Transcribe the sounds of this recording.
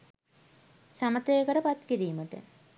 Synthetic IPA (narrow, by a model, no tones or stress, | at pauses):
samət̪əjekəʈəpat̪kiɾiːməʈə̰